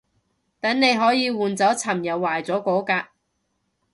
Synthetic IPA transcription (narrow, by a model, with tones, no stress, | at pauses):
t̪ɐ˨˥nne˨˧jɦɔː˨˥jiː˨˧wuː˨nt͡sɐ˨˥wt͡sʰɐ˨˩mjɐ˨wːaː˨˩jt͡sɔː˨˥kɔː˨˥kaː˧